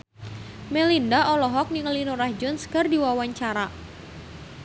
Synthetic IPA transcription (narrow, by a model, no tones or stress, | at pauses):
mɛlindaʔɔlɔɦɔk̚niŋəlinuɾahd͡ʒɔnskɨrdiwawaɲt͡ʃaɾa